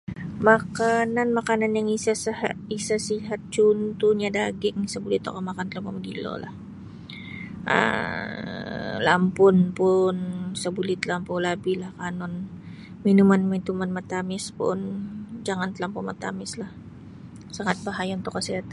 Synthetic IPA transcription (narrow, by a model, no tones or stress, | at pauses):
makananmakananjaŋisahisasiɦat̪̚t͡ʃunt̪uɲad̪aːɡɪŋsɐbulɪt̪o̰komakant̪laŋpomaɡḭlo̰la̰h | ʔa̰ | la̰mponponsɐbulɪt̪lampolabilahkaːnon | minumanmat̪umanmat̪amɪspʊ̰ʔnd͡ʒaŋant̪laŋpomat̪a̰ːmɪslah | saŋat̪̚baɦajont̪okɐsɛt̪